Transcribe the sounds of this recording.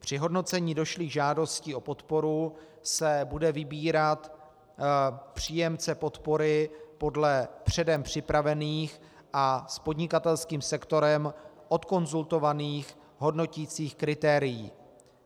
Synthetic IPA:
pr̝̥ɪɦo̞dno̞t͡sɛɲiːdo̞ʃliɣʒaːdo̞scio̞po̞t̪po̞ɾu | sɛbudɛvɪbiːɾat̪ | pr̝̥iːjɛmt͡sɛpo̞t̪po̞ɾɪpo̞dlɛpr̝̥ɛdɛmpr̝̥ɪpɾavɛniːx | ʔaspo̞dɲɪkat̪ɛlskiːmsɛkt̪o̞ɾɛm | ʔo̞t̪ko̞nzult̪o̞vaniːx | ɦo̞dno̞cit͡siːxkɾɪt̪ɛːɾɪjḭː

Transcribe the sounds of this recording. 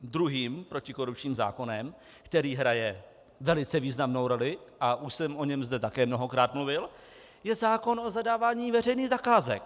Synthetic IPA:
d̪ɾuɦiːmpɾo̞cɪko̞ɾup̚t͡ʃɲiːmza̰ːko̞nɛm | kt̪ɛɾiːɦɾajɛ | vɛlɪt͡sɛviːznamno̞wɾo̞lɪʔaʔuʃsɛmʔo̞ɲɛmzdɛt̪akɛːmno̞ɦo̞kɾaːt̪mluvɪl | jɛzaːko̞nʔo̞zadaːvaːɲiːvɛr̝ɛjniːɣzakaːzɛ̰k̚

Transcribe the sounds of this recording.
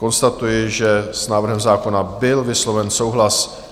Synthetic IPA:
ko̞nst̪at̪ujɪʒɛsnaːvr̩ɦɛmzaːko̞nabɪlvɪslo̞vɛnsowɦlas

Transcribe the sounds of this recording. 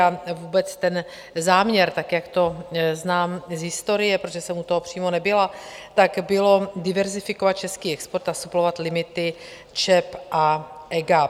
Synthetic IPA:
avuːbɛt͡st̪ɛn | zaːmɲɛɾt̪akjakt̪o̞znaːmzɦɪst̪o̞ɾɪjɛpɾot̪ʒɛsɛmut̪oɦopr̝̥iːmonɛbɪlat̪akbɪlo̞dɪvɛɾzɪfɪko̞vat̪̚t͡ʃɛskiːɛkspoɾt̪asuplo̞vat̪lɪmɪt̪ɪ | t͡ʃɛpʔaʔɛɡa

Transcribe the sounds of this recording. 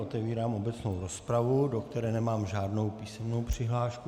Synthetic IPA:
ot̪ɛviːɾaːmʔo̞bɛt͡snowɾospɾavudo̞kt̪ɛɾɛːnɛmaːmʒaːdno̞wpiːsɛmno̞wpr̝̥ɪɦlaːʃku

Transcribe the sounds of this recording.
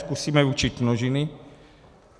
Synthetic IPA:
skusiːmɛut͡ʃit̪noʒinɪ

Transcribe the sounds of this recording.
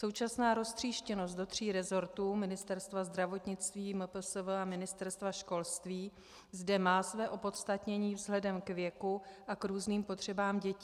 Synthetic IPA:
so̞wt͡ʃasnaːɾo̞st̪r̝̥iːʃcɛno̞st̪do̞t̪r̝̥iːɾɛzo̞ɾt̪uːmɪnɪst̪ɛɾst̪vazd̪ɾavo̞t̪ɲɪt͡st̪viːmɛpl̩sovɛamɪnɪst̪ɛɾst̪vaʃko̞lst̪viː | zdɛmaːsvɛːʔo̞po̞t̪st̪at̪ɲɛɲiːvzɦlɛdɛmkvjɛkuʔakɾuːzniːmpo̞t̪r̝̥ɛbaːmɟɛci

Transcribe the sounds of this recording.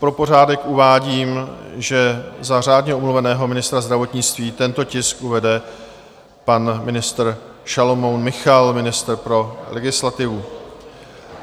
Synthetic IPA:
pɾo̞po̞r̝aːdɛkʔuvaːɟiːmʒɛzar̝aːdɲɛʔumluvɛnɛːɦo̞mɪnɪst̪ɾazd̪ɾavo̞t̪ɲɪt͡st̪viːt̪ɛnt̪o̞cɪskʔuvɛdɛ | panmɪnɪst̪r̩ | ʃalomownmɪxalmɪnɪst̪rpɾo̞lɛɡɪslat̪ɪvu

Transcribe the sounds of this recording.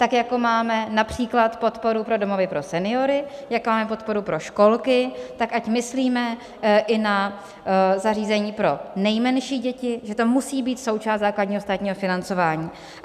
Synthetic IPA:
t̪akjako̞maːmɛnapr̝̥iːklat̪po̞t̪po̞ɾupɾo̞domo̞vɪpɾo̞sɛnɪo̞ɾɪjakmaːmɛpo̞t̪̚po̞ɾupɾo̞ʃko̞lkɪt̪akacmɪsliːmɛ | ʔɪna | zariːzɛɲiːpɾo̞nɛjmɛnʃiːɟɛcɪʒɛt̪o̞musiːbiːt̪so̞wt͡ʃaːst̪zaːkladɲiːɦost̪aːt̪ɲiːɦo̞fɪnant͡so̞vaːɲiː

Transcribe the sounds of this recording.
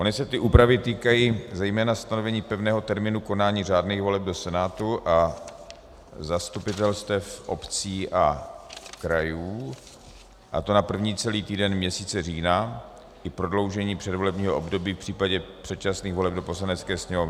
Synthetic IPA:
ʔo̞nɪsɛt̪ɪʔuːpɾavɪt̪iːkajiːzɛjmɛːnast̪ano̞vɛɲiːpɛvnɛːɦo̞t̪ɛɾmɪnuko̞naːɲiːraːdniɣvo̞lɛb̚do̞sɛnaːt̪uʔa | zast̪upɪt̪ɛlst̪ɛfʔopt͡siːʔa | kɾajuː | ʔa̰t̪o̞napr̩vɲiːt͡sɛliːt̪iːdɛnmɲɛsiːt͡sɛr̝iːna | ʔɪpɾo̞dlo̞wʒɛɲiːpr̝̥ɛdvo̞lɛbɲiːɦoʔobdo̞biːfpr̝̥iːpaɟɛpr̝̥ɛt̪̚t͡ʃasniːɣvo̞lɛb̚do̞po̞slanɛt͡skɛːsɲɛmovɪ

